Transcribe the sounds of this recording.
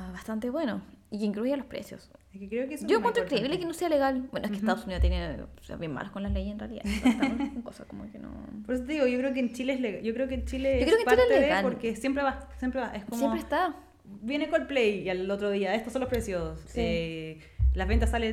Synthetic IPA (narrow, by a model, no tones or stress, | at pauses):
aβast̪ant̪eβwe̞noikeiŋkɾuʝalo̞spɾḛsjo̰sehkekɾeokeesoeŋkwent̪ɾoiŋkɾe̞iβleekenosealeɣalbenoekest̪aðosuniðt̪enesea̰βjema̰lokonlalejesenrealiða̰akoŋkosa̰komo̰keno̰poɾes̬ot̪eðiɣoʝokɾeokent͡ʃileesleɣajokɾeokent͡ʃileokɾeokenpt͡ʃileleeɣalpoɾkesjempɾeβasjempɾeβaʔeskomsepɾeːst̪a | bjenekolplejialot̪ɾoðiaest̪osonlopɾesjosose | lazβent̪asːale